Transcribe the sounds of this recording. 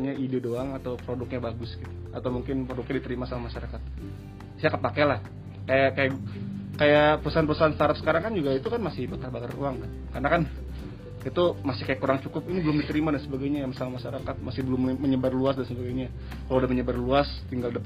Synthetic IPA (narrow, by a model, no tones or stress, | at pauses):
ɲaʔidedoaŋat̪awpɾodʊk̚ɲabaɡʊsɡit̪uat̪awmuŋkɪnpəɾodʊk̚ɲadit̪əɾimasamahmaʃaɾakat̪̚ | sajakapakɛlah | kajakajakajapəɾusaɦanpəɾusaɦanst̪aɾap̚sə̥kaɾaŋkand͡ʒuɡait̪ukanmasɪhbakarbakaɾuaŋkankaənakan | it̪umasɪhkajakuɾaŋt͡ʃukʊp̚inibəlʊmdit̪əɾimadansəbaɡajɲajamasalamaʃaɾakat̪̚masɪhbəlʊmːəɲəbarluasdansəbaɡajɲa | kalawdahməɲəbarluast̪iŋɡaldəp